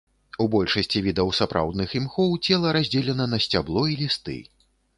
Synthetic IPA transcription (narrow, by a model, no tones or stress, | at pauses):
ubɔlʲʂɐsʲt͡sʲivʲid̪ɐwsapɾa̰wd̪nɨximxɔwt͡sʲɛlˠɐɾazʲd͡zʲɛlʲɛnɐnɐsʲt͡sʲablˠɔilʲist̪ɨ̰